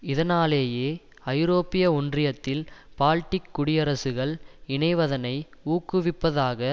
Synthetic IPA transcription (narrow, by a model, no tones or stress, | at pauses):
ɪðɐnaːleːjeː | ɐɪɾoːpɪjɐʊndrɪjɐt̪ːɪlpaːlʈːɪkːʊɽɪjɐɾɐsɯɣɐɭɪɳɐɪʋɐðɐnɐɪuːkːɯʋɪpːɐðaːɣɐ